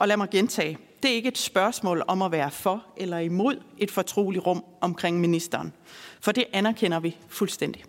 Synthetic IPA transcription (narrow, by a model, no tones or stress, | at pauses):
ʔɒ̽læmɑ̈ɪɡ̥ent͡sʰɛ̰ː | d̥e̝æɐe̝ɡ̥əe̝d̥sb̥ɶɐsmɔ̰ːlɒ̽mæʋæːɐfɒ̽ʔelɐimo̝ð̞̰ˠe̝d̥fɒ̽t͡sʰʁo̝̰ːliʁɔ̽m̰ɒ̽mkʰʁeŋ̰minisd̥ɐːnfɒ̽d̥e̝ʔænæɐkʰen̰ɐʋifulsd̥en̰d̥i